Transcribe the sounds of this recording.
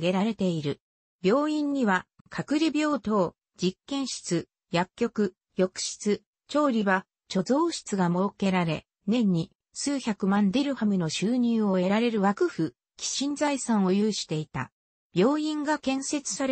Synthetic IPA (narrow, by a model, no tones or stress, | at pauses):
ɡe̞ɾaɾe̞t̪e̞iɾɯ̟ | bʲjo̞ːĩɲːiβa | kʰakɯ̟ɾʲibʲo̞ːt̪o̞ː | d͡ʑikːẽ̞ɰ̃ɕi̥t͡sɨ | jakʲːo̞kɯ̟ | jo̞kɯ̟̥ɕi̥t͡sɨ | t͡ɕo̞ːɾʲiβa | t͡ɕo̞zo̞ːɕi̥t͡sɨɡamo̞ːke̞ɾaɾe̞̰ | nẽ̞ɲ̟ːi | sɨːçakɯ̟mãnd̪eɾɯ̟hamɯ̟no̞ɕɨːɲ̟ɨːo̞e̞ɾaɾe̞ɾɯ̟βakɯ̟ɸɯ̟ | kʲi̥ɕĩnd͡zaisãɰ̃o̞jɯːɕi̥t̪e̞it̪a̰ | b̥ʲo̞ːĩŋɡakẽ̞ɰ̃se̞t͡sɨ̥saɾ